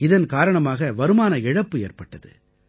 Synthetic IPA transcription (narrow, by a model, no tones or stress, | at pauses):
ɪðɐnkaːɾɐɳɐmaːɣɐʋɐɾɯmaːnɐɪɻɐpːɯḛːrpɐʈːɐðɯ̰